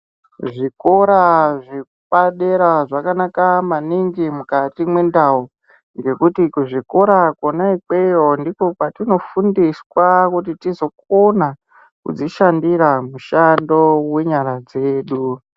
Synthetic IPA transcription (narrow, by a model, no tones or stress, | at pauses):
ʐiko̞ɾaʐiuɓaɗe̞ɾaʐakanakamaniŋɡimukatimwe̞ndau | ŋɡe̞kutikuʐiko̞ɾakonaike̞jondiko̞kwatino̞fundiswakutitizo̞k̚ona | kṵd͡ziʃandiɾamuʃando̞we̞ɲaɾad͡ze̞ːɗu